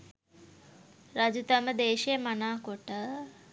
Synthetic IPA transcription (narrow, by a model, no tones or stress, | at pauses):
ɾad͡ʒut̪aməd̪eːʃijəmanaːkoʈə